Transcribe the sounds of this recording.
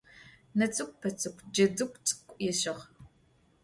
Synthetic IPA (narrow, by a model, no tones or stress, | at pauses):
nɐt͡sʼɨkʷʼpʰɐt͡sʼɨkʷʰʼd͡ʒɐdɨkʷʼt͡sʼɨ̥kʷʼjɛɕɪʁ